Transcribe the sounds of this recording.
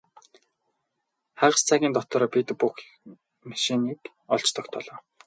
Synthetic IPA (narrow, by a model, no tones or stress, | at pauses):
χæʁə̆st͡sʰaɣʲiːnt̪ɔt̪ɔ̆ɾɔpit̪pux | maʃiniːk | ɔɮt͡ɕt̪ʰɞ̆kt̪ʰɔ̰ɮɔː